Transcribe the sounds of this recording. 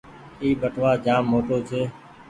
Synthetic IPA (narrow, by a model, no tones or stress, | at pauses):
iːbəʈʰʋaːd͡ʒaːmːoːʈoːt͡ʃʰeː